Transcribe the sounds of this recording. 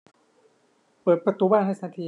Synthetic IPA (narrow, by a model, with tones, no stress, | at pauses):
pɤː˨˩t̪̚pɾa˧t̪uː˧˦baː˥˩nhɦa˥˩sa˧˥˩t̪ʰiː˧